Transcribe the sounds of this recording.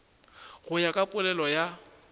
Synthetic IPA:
ɣʊjakʼapʼʊlɛlɔja

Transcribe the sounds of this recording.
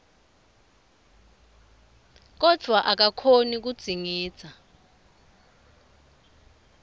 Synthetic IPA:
k̬ɔd̥ʱwaʔak̬akʰonik̬ud̥z̥ʱiŋi̥ːz̥ʰʱʼa

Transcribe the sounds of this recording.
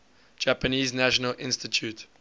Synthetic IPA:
d͡ʒæpəniːznæʃɔnəlʔɪ̰̃nstitʰjut

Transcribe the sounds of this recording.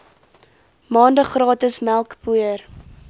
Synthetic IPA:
mɑːndəχrɑːtəsmælˠkpuər

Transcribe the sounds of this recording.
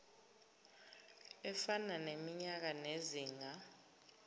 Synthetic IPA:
ɛfananemiɲak̬aneziːŋa

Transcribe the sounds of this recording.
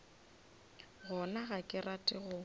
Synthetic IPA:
ɣɔnaɣakʼɪratʼɪɣʊ

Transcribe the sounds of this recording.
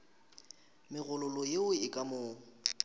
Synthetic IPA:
mɪɣʊlʊlɔjeʊɪkʼamʊːŋ̩

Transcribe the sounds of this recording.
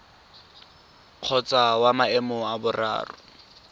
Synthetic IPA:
q͡χʰɔt͡sawamaɛmʊabʊra̰ːrʊ

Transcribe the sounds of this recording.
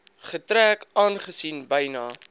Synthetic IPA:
χətɾæːkɑːnχəsinbɐjnɑː

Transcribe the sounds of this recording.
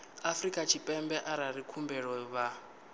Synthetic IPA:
afrikʼat͡ʃʰipʼɛmbɛʔaɾaɾikʰumbɛɺɔβa

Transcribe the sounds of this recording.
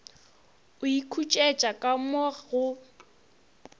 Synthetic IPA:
ʊikʰut͡ʃʼɛet͡ʃʼakʼamɔɣʊ

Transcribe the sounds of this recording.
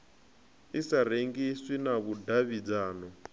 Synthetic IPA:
isaɾeŋɡiswinaβudaβid͡zaːnɔ

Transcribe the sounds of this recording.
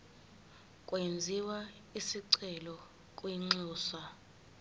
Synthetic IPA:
kʼwend͡zʱiwa | isiǀɛlɔ | kʼwiŋ͡ǀuːsa

